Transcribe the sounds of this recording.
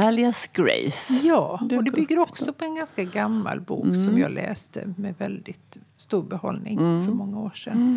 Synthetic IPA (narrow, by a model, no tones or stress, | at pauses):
ælɪasɡɾḛjsjɑːɔd̪ɛbʏɡɡːəɾɔksɔpʰɔɛnɡanskaɡamːa̰lbṵːksɔmmjɑːlɛ̰ːst̪ə̰mɛvɛld̪ɪt̪st̪uːɾbɛhɔlnɪŋfœɾmɔŋːaoːʂɛn